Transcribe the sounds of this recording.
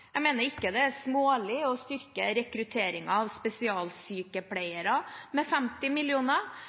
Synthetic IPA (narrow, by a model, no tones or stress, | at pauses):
jæmeːnəɾɪkːəd̪ɛæsmoːlɪɔst̪ʏɾkəɾɛkɾʉt̪ʰeːɾɪŋɑɑʋspɛsɪɑːlsyːkəpʰlæɪəɾɑmɛfɛmt̪ɪmɪlɪuːnə